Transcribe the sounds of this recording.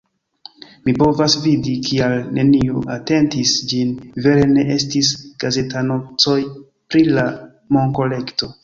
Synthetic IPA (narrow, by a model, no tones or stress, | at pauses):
mipo̞vasvidikʰialne̞nioate̞ntisd͡ʒinve̞ɾe̞ne̞ʔe̞stisɡ̥aze̞tano̞t͡so̞j | pɾila | mo̞ŋko̞le̞kto̞